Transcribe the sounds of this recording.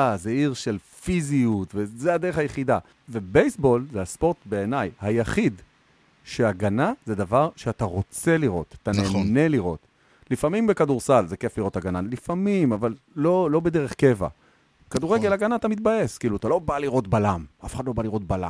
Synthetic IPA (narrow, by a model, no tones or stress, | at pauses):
azeiʁʃe̞lfiziut̪vezead̪e̞ʁeχhajeχida | ve̞bejsbo̞lzeaspo̞ʁt̪be̞ːnajhajaχid | ʃe̞aɡanazed̪avaʁʃeataʁo̞t͡se̞liʁo̞̰t̪atane̞ne̞liʁo̞̰t | lifamimbe̞kaduʁsalzeke̞fliʁo̞taɡanalifamimavalːo̞lo̞be̞d̪e̞ʁe̞χke̞va̰ | kad̪uʁeɡelaɡanaat̪amit̪̚baje̞skiːluat̪alo̞baliʁo̞tbalamafe̥χad̪lo̞baliʁo̞t̪̚bala̰